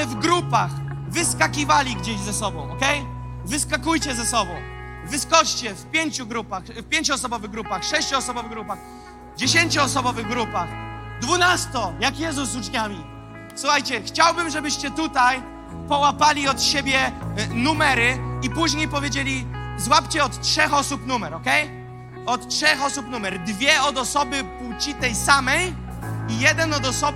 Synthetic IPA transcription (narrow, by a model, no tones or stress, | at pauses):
vɡɾupaxvɘskakʲivalʲiɡd͡ʑeʑzɛsɔbɔ̃w̃ɔkɛjvɘskakujt͡ɕɛzɛsɔbɔ̃w̃vɘskɔt͡ʂt͡ɕɛfpʲjeɲt͡ɕuɡɾupaxfpʲjeɲt͡ɕuɔsɔbɔvɘɣɡɾupaxʂɛɕt͡ɕuɔsɔbɔvɘɣɡɾupax | vd͡ʑeɕ̬eɲt͡ɕuɔsɔbɔvɘɣɡɾupaxd̪vunast̪ɔjakjɛzusːut͡ʂɲamʲi | suxajt͡ɕɛxt͡ɕawbɘmʐɛbɘɕt͡ɕɛt̪ut̪aj | pɔwapalʲiɔt̪ɕebʲjɛnumɛɾɘipuʑɲejpɔvʲjed͡ʑelʲizwapt͡ɕɛɔt̪tʂɛxɔsupnumɛɾɔkɛj | ɔt̪tʂɛxɔsupnumɛɾd̪vʲjɛɔd̪ɔsɔbɘput͡ɕit̪ɛjsamɛj | ijɛd̪ɛnɔd̪ɔsɔ